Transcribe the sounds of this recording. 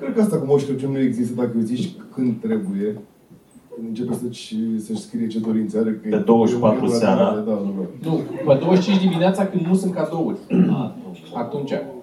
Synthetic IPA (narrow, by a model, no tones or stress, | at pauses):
kɾed̪kəast̪akumoʃt̪ɾet͡ʃunue̞ɡzist̪əd̪akəeziʃkɨnd̪̚t̪ɾe̞buje̞ | ɨɨnt͡ʃepesət͡ʃʲsəʃʲskɾijet͡ʃed̪o̞ɾint̪səaɾekəed̪owəʃpat̪ɾulaaɾaed̪aoonuped̪owəʃt͡ʃĩnt͡ʃʲd̪imineat̪sakɨnd̪nusɨnt̪kad̪o̞ulʲ | at̪unt͡ʃa